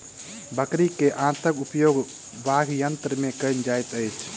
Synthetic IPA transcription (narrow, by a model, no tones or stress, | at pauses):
bəkɾikeʔãːt̪əkupjoːɡ | baɡʱjənt̪ɾəmẽkənd͡ʒajt̪əjt͡ʃʰ